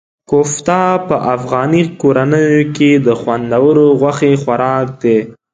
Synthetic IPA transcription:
koft̪ɑpəʔafɣɑnikoɾanəjoked̪əxwand̪awəɾoɣwaxexwaɾɑk̚d̪e

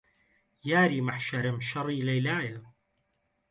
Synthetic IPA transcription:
jaːɾiːmaħʃaɾɪmʃɑɾˤiːlɐjlaːja

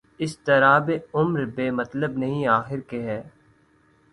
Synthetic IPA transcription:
ɪst̪ɐɾaːbeʊmɾbeːmɐt̪ləbnɐɦĩaːxɪɾkeɦɛː

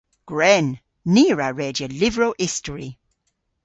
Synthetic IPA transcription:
ɡ̥ɹɛnː | iːɹaɹɛːdjəlɪvɹoːʔɪstəɹi

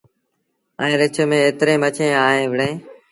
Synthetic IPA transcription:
ə̃ːɾɪt͡ʃʰəmẽːeːt̪ɾẽːmət͡ʃʰẽːaːɦẽːʋəɽẽː

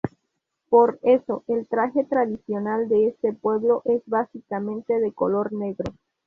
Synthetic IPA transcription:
po̞ɾe̞so̞ʔelt̪ɾaxe̞t̪ɾaðisjo̞nald̪e̞est̪e̞pwe̞βlo̞ʔe̞zβasikamẽnt̪e̞ðe̞ko̞lo̞ɾne̞ɣɾo

